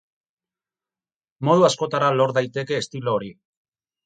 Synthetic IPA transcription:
mo̞ð̞uasko̞t̪aɾalo̞ɾðajt̪e̞ke̞ːst̪ilo̞ːɾi

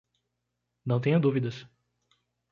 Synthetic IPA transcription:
nɐ̃w̃t̪ẽɲɐd̪uvid̪ɐs

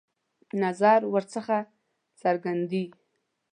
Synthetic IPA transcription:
nazaɾwəɾt͡səxa | t͡saɾɡand̪i

